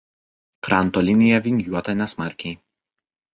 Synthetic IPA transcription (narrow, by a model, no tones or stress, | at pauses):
kɾɑˑnt̪ɔlʲɪnʲɪjɛʋʲɪnʲjuɔt̪ɐnʲɛsmɑɾʲkʲɛj